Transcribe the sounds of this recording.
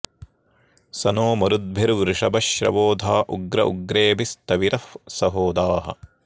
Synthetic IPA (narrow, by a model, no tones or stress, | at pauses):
sɐnoːmɐɾud̪̚bʱiɾʋɾɪʂɐbɐʃɾɐ̰ʋoːd̪ʱaːʔuɡɾɐʔuɡɾeːbist̪ɐʋiɾɐfsɐɦoːd̪aːɦɐ̰